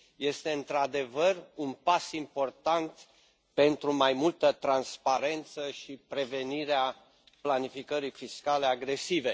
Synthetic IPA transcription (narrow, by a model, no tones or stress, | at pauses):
je̞st̪e̞ɨnt̪ɾad̪e̞vərunpasimpo̞rt̪ant̪ | pe̞nt̪ɾumajmult̪ət̪ɾanspaɾe̞nt̪səʃipɾe̞ve̞niɾea | planifikəɾijfiskale̞aɡɾe̞sive̞